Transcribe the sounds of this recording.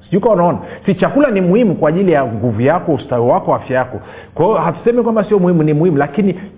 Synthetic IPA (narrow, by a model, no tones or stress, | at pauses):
siʄukwaanaɔnasit͡ʃakulanimuhimukwaʄilijaŋɡuvujakɔustawiwakɔafjajakɔ | kwajɔhatu̥sɛmɛkwambasiɔmuhimunimuhimulakini